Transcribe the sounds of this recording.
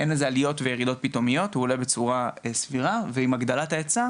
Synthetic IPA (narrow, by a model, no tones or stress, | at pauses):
enezealijo̞t̪vejeʁid̪o̞t̪̚pito̞mijo̞thuːlebe̞t͡suʁaesviʁaveimaɡd̪alat̪aet͡sa